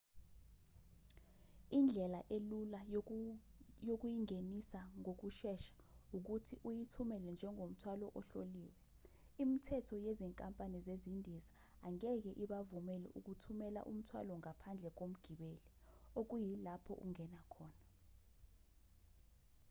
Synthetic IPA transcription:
ind͡ɮʱɛlaʔelula | jok̬ujiŋenisaŋok̬uʃɛʃḁuk̬utʰiʔujitʰumɛlɛnd͡ʒʱɛŋʱom̩tʰwalɔʔɔɬoliːwɛ | imitʰɛtʰɔjɛzɛŋkʼampʼanizezindʱizaː | ŋɛk̬ɛʔiɓavumɛlɛ̰ʔṵk̬utʰumɛla̰ʔṵm̩tʰwa̰lɔŋapʰand͡ɮʱɛk̬om̩ɡ̥ʱiɓelɛ | ok̬ujilapʰɔ̰ʔṵŋɛnakʰɔːna

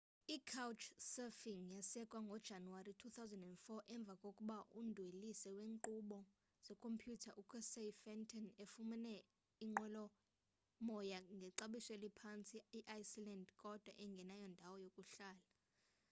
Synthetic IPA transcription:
ikʰawt͡ʃʰsɛfiŋjasɛkʼwaŋɡʱɔd̥ʒ̥ʱanuwaritʰuθawzɛndɛndfɔʔɛɱb̪vʱakʼokʼuɓaʔundʱwelisɛweːŋǃuɓɔ | z̥ɛkʰʼompʰjutʰaʔukʰɛsefɛntʰʼɔnefumɛnɛ | iŋ͡ǃwɛlɔ | mɔjaŋɡʱɛǀaɓisɛlipʰant͡sʼiiʔajsilandkʼɔd̥ʱwaʔɛŋɡʱɛnajɔndʱawɔjokʼuɬaːla

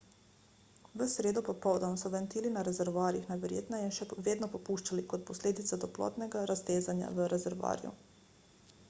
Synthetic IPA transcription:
ʋəsɾeːd̪ɔpɔpɔwd̪ɔmsɔʋɛnt̪iːlinaɾɛzɛɾʋaːɾjixnajʋɛɾjḛːt̪najinʃɛʋeːd̪nɔpɔpuːʃt͡ʃalikɔt̪̚pɔsleːd̪it̪sad̪ɔplɔ̰ːt̪nɛɡaɾast̪eːzanja̰ʋəɾʔɛzɛɾʋa̰ːɾjṵ

